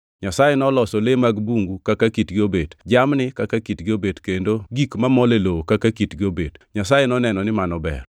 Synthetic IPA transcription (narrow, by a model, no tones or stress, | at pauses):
ɲasajenɔlɔsɔlemaɡbuŋɡukakakitɡɪobedd͡ʒamnɪkakakitɡɪobedkendoɡikmamɔlelokakakitɡɪobedɲasajenɔnɛnɔnɪmanɔbɛ̰r